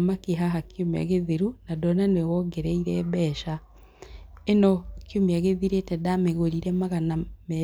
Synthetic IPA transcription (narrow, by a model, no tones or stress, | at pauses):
makeɦaɦakioma̰ɣeðeɾunadɔnanewɔɡeɾɛiɾɛβɛʃa | enɔkeomeaɣeðiɾetɛdameɣoɾiɾɛmaɣanamɛ